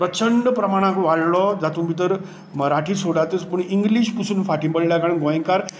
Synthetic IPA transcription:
pɾət͡ɕəɳɖpɾəmaɽ̃ãkʋaɭlɔd͡zat̪ũbit̪̬əɾ | məɾaʈʰiːsoɽat̪espəɳiŋɡliɕpusʰunfaʈĩbəllakaɽə̃nɡojẽŋkaɾ

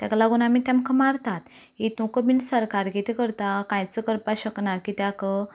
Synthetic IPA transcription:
t̪aklaɡuñamit̪amkʰəmaɾt̪at̪ | ɦit̪ũkəbinsəɾkaɾɡit̪ʰekəɾt̪akãjt͡səkəɾpaɕəknakit̪jakə

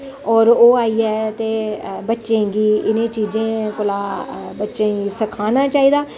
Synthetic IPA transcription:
ɔːɾoːaːiːɛːt̪eːbətːʃẽːɡiːɪnẽːt͡ʃiːd͡ʒẽːkʊlaːbətːʃẽːisəkʰaːnaːt͡ʃaːiːd̪aː

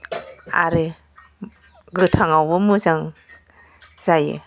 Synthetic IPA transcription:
a̰ɾɯ | ɡɯtʰaŋawbɯmɯzaŋ | z̥ajḛ

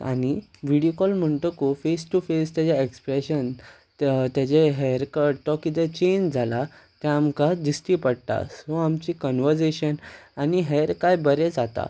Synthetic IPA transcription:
a̰ɽ̃i | ʋiɽijokɔlm̤əɳʈ̪əkofesʈufest̪jad͡ʑaekspɾeɕən | t̪jat͡ɕeɦɛɾkəɖt̪ɔkit̪ɛt͡ɕend͡zʱala | t̪jãːmkad̪isʈiːpəɽt̪a̰sɔ̃amt͡ɕikɔnʋəɾseɕənaniɦɛɾkajbəɾɛd͡zat̪a̰

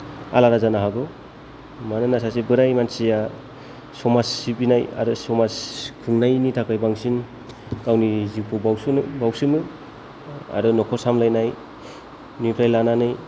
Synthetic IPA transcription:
a̰laɾazanaɦaɡɯ | manɯnasasebɯɾajmansija | sɔmasibinaja̰ɾɯsɔmaskʰɯŋnajnitʰakajbaŋsin | kawnizipʰɔbawsbawsɯmɯ | a̰ɾɯnɔkʰɔsamlajnaj | nupʰɾajlananɯj

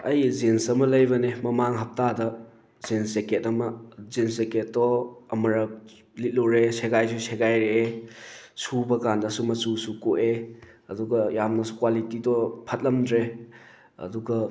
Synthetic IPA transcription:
ɐjzensɐmɐlɐjbɐnemɐmaŋɦɐp̚tadɐ | zenseketɐmɐzenseket̚ːɔɐmɐɾɐp̚ | lit̚luɾeseɡajs̬usʰeɡajɾeː | subɐkandɐsumɐsusukoʔe | ɐduɡɐjamnɐsu̥kwalitidɔpʰɐt̚lɐmdɾe | ɐ̰duɡɐ

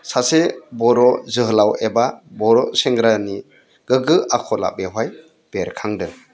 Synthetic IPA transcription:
sasebɔɾɔzɯɦɯlawebabɔɾɔseŋɡɾani | ɡ̥ɯɡɯakʰɔla̰beɦwaj | b̥eɾkʰaŋdɯ

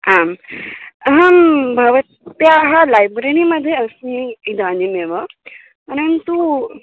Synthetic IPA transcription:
am | ɦambʱəʋət̪ːjaɦalajbɾeñiməd̪ʱːjeəsĩid̪ʱanimeʋə | pəɾənt̪u

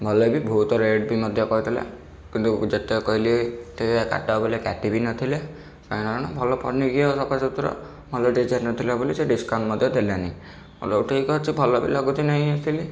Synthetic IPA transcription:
bʱɔlɔbibʱut̪ɔɾeɖbimɔd̪ʱjɔkɔɦit̪ʰila̰ | kint̪ud͡ʒet̪ekɔɦilit̪eeka̰ʈabɔlekaʈibinɔt̪ʰile | kajnaɾɔñɔbʱɔlɔpʰɔɽniɡiɔsɔbasɔt̪uɾɔ̰ | mʱɔlɔɖid͡ʒaɾnɔt̪ʰilaboliseɖiskawɳɖmɔd̪ʱjɔd̪elani | o̰louʈeikɔɦt͡ʃʰibʱɔlɔbḭlɔɡut̪inɔɦĩat̪ʰili

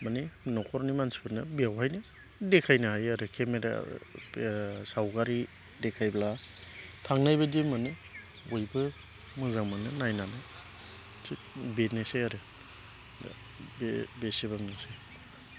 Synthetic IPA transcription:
maninɔkʰɔɾnimansi̥pʰɯnɯbiawhajnɯ | dekʰajnɯɦajaɾɯkʰemeɾa̰ | sawkaɾi | dekʰajbla | tʰaŋnajbɯdemanɯ | ojbɯ | mɯzaŋmanɯnajnanɯ | si | benesejaɾɯ̰ | bebesebaŋnɯse

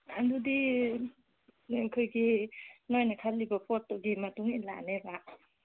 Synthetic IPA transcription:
andudi | kʰɯjɡinojnakʰallːibɐpʰɔtːɔɡimɐtuŋila̰neba

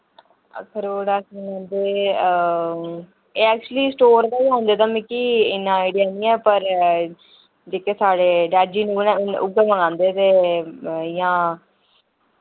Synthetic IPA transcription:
ə̰kʰəɾoːɽaːkənãːnd̪eː | eːɛːk̚t͡ʃuəliːsʈoːɾkaːɦõːnd̪eːt̪aːmɛ̃kiːɪnːãːaɪɖɪjaːnĩːɛːpəɾ | d͡ʒeːkeːsaːɽeːɖɛːd͡ʒiːnũnːʊ̰ɡeməŋãːnd̪eːt̪eː | jãː

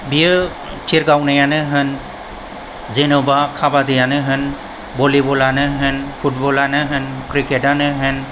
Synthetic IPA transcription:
biə | tʰiɾɡawnɯjanɯɦɯn | zenobakʰabad̪ijanɯɦɯn | bɔlibɔlanɯɦɯnpʰut̚bɔlanɯɦɯnkɾikeʈanɯɦɯn

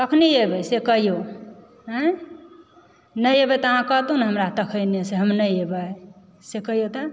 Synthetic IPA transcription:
əkʰniebəjsekəɦijo | ɦə̃ | nəjebət̪ɔɦãkət̪unɦəmɾat̪əkʰəjneseɦəmnəjebəj | sekəɦijot̪ə

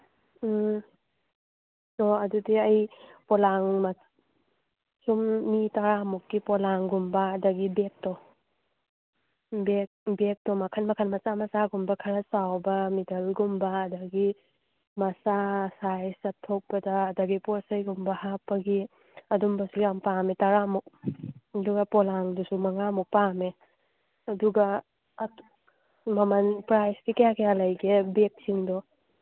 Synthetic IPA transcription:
ɔɐdudiɐjpɔlaŋma | sumːitaɾamukːipɔlaŋɡumbɐːdɐɡibek̚tɔ | bek̚bek̚tɔmakʰanmakʰanmɐsamɐsaɡumbɐkʰaɾasawbɐmidɐlɡumbɐːdɐɡi | mɐsasajsɐtʰːok̚pɐdaːdaɡiposɐjɡumbɐhapːɐɡi | ɐdumbɐsuɡjampametaɾamuk̚ɐduɡɐpɔlaŋdusumɐŋamuk̚pame | ɐduɡɐ | mɐmɐnpɾajskikɐjakʰejalɐjɡebek̚siŋdɔ

